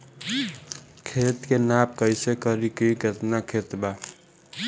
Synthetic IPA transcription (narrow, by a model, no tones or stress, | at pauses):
kʰet̪kenap̚kəɪsekəɾikiɡət̪nakʰet̪ba